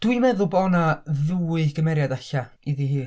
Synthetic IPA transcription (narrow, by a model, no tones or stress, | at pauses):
d̥wɨjmɛðʊlˠbɔːnaðuɨɡ̥əmɛɾjadaɬaiðihiː